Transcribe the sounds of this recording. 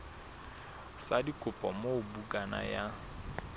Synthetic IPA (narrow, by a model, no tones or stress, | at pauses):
sadikʼʊpʼɔmobukʼana̰ja